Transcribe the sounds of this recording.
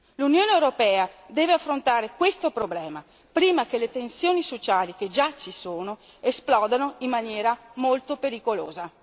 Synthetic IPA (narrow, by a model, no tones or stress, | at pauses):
lunjoːneewɾopɛːad̪ɛːveafːɾont̪aːɾekwest̪opɾoblɛːma | pɾiːmakelet̪ensjoːnisot͡ʃaːlik̟ed͡ʒat͡ʃisoːno | esplɔːd̪anoimːanjɛːɾamolt̪opeɾikolo̰ːza